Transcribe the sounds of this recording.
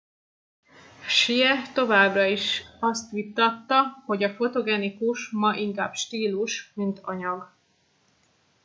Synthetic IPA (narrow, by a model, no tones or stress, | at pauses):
ʃiɛt̪o̞vaːbrɒiʃɒst̪ʋit̪ːɒt̪ːɒho̞ɟɒfo̞t̪o̞ɡɛnikuʃmɒʔiŋkaːbʃt̪iːluʃmint̪ɒɲɒɡ